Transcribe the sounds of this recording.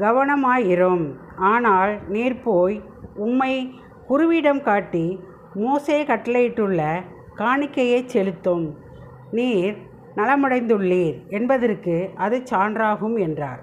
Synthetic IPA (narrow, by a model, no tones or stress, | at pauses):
ɡɐʋɐɳɐmaːjɪɾɯm | aːnaːlniːɾpoːj | ʊmːɐɪ | kʊɾɯʋiːɽɐmkaːʈːi | moːseːkɐʈːɐlɐjɪʈːɯɭːɐ | kaːɳɪkːɐjeːt͡ʃːɛlɯt̪ːɯm | niːɾ | nɐlɐmɐɽɐɪnd̪ɯɭːiːɾɛnbɐðɪrkɯʔɐðɯt͡ʃːaːndraːɣɯmɛndra̰ːɾ